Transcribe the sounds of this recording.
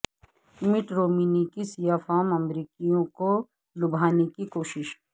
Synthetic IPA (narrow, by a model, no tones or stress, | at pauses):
mɪʈɾoːmiːnikisijaːfaːmɐmɾiːkijõko | lʊbʱaːnekikoːʃɪʃ